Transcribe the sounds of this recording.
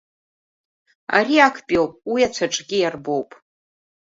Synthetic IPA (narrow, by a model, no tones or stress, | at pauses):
a̰ɾiakʰpʼiowpʼwiat͡ʃʷʰaʈ͡ʂʼɡʲijarbo̞wpʼ